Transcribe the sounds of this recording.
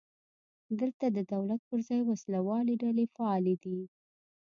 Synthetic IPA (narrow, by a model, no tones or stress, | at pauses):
d̪əlt̪ad̪əd̪awlat̪̚pəɾzɑjwaslawɑleɖalefaɑled̪i